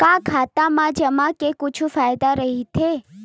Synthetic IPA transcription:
kãkʰat̪amãd͡ʒəmãkekʊt͡ʃʰufajd̪aɾəɦit̪ʰe

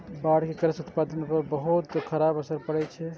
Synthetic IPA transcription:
baɽkekɾəsut̪pad̪ənpəɾbəɦut̪kʰəɾabəsəɾpəɽɛt͡ʃʰɛ

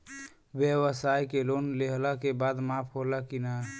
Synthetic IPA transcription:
bjəwəsajkelonleɦlakebad̪mapʰɦolakina

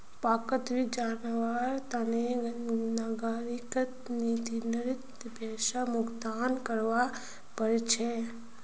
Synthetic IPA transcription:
paːkət̪ʋid͡ʒaːnʋaɾt̪anenaɡaɾikət̪nit̪inəɾɪt̪ | bʱɛːʃamʊkd̪aːnkəɾʋa | pəɾet͡ʃʰe

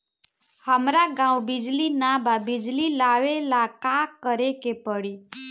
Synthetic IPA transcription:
həmɾaɡãwbid͡ʒlinabʱabid͡ʒlilaʋelakakəɾekepəɽi

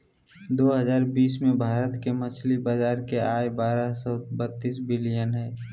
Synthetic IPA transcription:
d̪oːɦəzaːɾbiːsmẽbʱaːɾət̪kemət͡ʃʰlibaːd͡ʒaːɾkeaːebaːɾasɔːbət̪ːiːsbɪlijənɦɛː

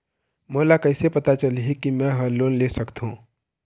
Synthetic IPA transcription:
molakəɪsepət̪at͡ʃəlɦikimɛ̃ɦə̃loːnlesəkt̪ɦũː

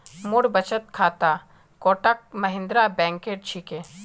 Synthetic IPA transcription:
mʊɽbɐt͡ʃət̪̚kʰaːt̪a | koːʈək̚mɐɦɪ̃nd̪ɾabɛ̃ːŋkeːʈ̚t͡ʃʰike

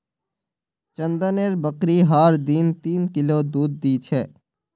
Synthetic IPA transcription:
t͡ʃə̃nd̪əneːɾbəkɾiɦaːɾd̪iːnt̪iːnkɪlod̪uːd̪̚ːiːt͡ʃʰɛː

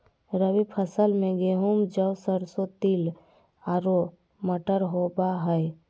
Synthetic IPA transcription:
ɾəwipʰəsəlmẽɡeɦumd͡ʒəwsəɾsot̪il | aːɾo | məʈəɾɦobaɦəj

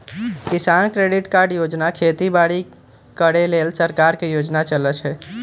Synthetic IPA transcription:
kɪsaːnkɾeɖɪʈkaɾɖjod͡ʒnakʰet̪ibaɽi | kəɽeleːlsəɾkaɾkejod͡ʒnat͡ʃələt͡ʃʰɛ

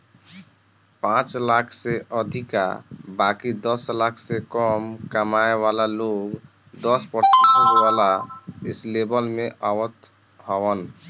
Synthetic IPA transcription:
pãt͡ʃlakʰseʔəd̪ʱika̰bakid̪ɔslakʰsekɔmkəmaewalaloɡ | d̪ɔspəɾt̪isəswalaɪslebəlmẽʔawət̪ | hɔwən

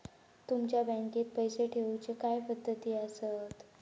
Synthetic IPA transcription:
t̪umt͡ɕjabə̃ŋket̪̚pəjseʈʰeʋut͡ɕekajpəd̪ʱːət̪iːəsət̪

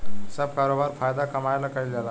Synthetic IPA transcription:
səb̚kaɾobaɾfajd̪akəmajlakajlala

